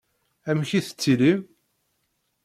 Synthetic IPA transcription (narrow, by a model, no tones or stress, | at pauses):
æmçiθə̥t͡sːilim